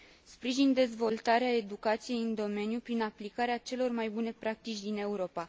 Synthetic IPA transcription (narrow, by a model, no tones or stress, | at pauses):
spɾiʒind̪e̞zvo̞lt̪aɾeae̞d̪ukat̪sije̞jɨnd̪o̞me̞njupɾinaplikaɾeat͡ʃe̞lo̞rmajbune̞pɾak̚t̪it͡ʃʲd̪ine̞uɾo̞pa